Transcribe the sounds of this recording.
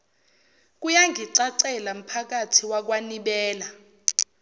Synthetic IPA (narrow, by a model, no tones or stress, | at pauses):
k̬ʼujaŋɡʱiǀaǀɛlam̩pʰak̬atʰiwak̬waniɓɛːla